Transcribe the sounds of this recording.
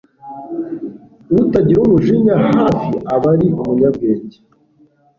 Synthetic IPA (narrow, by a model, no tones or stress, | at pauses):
nutaɟiɾomuʒiɲahaːfiʔaβaɾiʔumuɲabɡeːɟi̥